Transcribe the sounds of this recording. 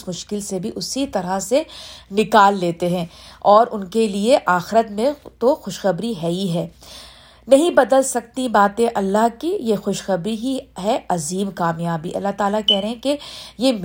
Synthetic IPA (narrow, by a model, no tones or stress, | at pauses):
smʊʃkɪlsebʱiʔʊsit̪ɐɾasenɪkaːlːeːt̪eɦɛ̃ːɔːɾʔʊnkelieʔaːxɪɾət̪mẽt̪oxʊʃxɐbɾiɦɛiɦɛː | nɐɦĩbɐd̪əlsɐk̚t̪ibaːt̪ẽʔɐlːaɦkijexʊʃxɐbɾiɦiɦɛɐziːmkaːmjaːbḭʔɐ̰lːaɦt̪aːlakɛɦɾɛɦɛ̃kejem